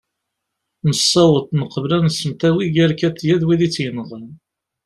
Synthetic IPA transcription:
nəsːɑwət̪ˤnəqːəvlænəsːəmt̪æwiɡæɾkæt̪ːjæðwiðit͡sːjənəʁən

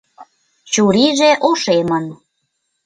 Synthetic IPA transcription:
t͡ɕuɾiʒeʔoʃemən

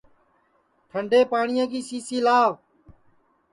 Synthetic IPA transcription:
ʈ̪ʰəɳɖeːpaːɳɪjãːkiːsiːsiːlaːʋ

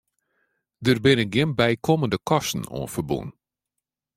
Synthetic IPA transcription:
dərbɪnəɡɪnbɛjkʰɔməndəkʰɔstn̩o̰ːənfərbṵn

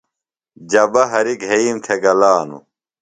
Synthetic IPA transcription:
d͡ʑɐbɐɦɐɾiɡɦeiːmt̪ʰeɡɐlaːnṵ

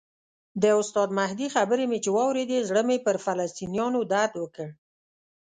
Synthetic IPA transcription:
d̪əʊst̪ɑd̪mahd̪ixabəɾemet͡ʃewɑwɾed̪ezɽəmepəɾfalast̪inijɑnod̪ad̪wəkəɽ

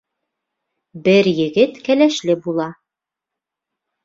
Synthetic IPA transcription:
bɘɾjɘ̆ɡɘt̪kælæʃlɘbulˠɑ

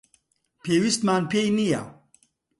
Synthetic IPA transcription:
pʰeːwist̪maːnpʰejnija̰

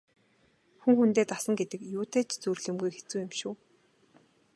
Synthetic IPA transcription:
xuŋxunt̪eːt̪asə̆ŋɡet̪ɘ̆kjuːt̪ʰeːt͡ɕt͡surɮɘ̆mɡujxe̥t͡suːjɪmʃʊː

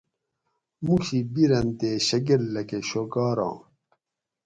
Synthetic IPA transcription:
muɕibiɾɐnt̪eːɕɐɡelːɐkeɕoɡɑːɾɑ̰̃ː

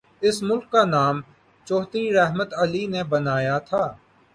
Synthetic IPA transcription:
ɪsmʊlkːanaːm | t͡ʃɔːt̪ɾiɾɛɦmət̪ɐlinebɐnaːjat̪ʰaː

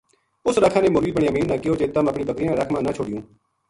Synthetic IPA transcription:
ʊsɾəkʰãːneːmʊɾʋiːbəɳjãːmiːnːãːkɪjoːt͡ʃeːt̪əməpɳiːbəkɾiːãːɾəkʰmãːnãːt͡ʃʰoːɽɪjũː

